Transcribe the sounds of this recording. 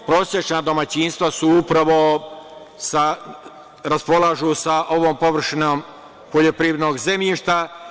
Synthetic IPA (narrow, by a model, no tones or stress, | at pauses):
pɾo̞ːsjet͡ʃnad̪o̞mat͡ɕiːnst̪ʋasuupɾaʋo̞ | sa | ɾaspo̞lˠaʒusaʔo̞ʋoːmpo̞ʋr̩ʃinom | poʎopɾiːʋd̪noːɡzemʎiʃt̪a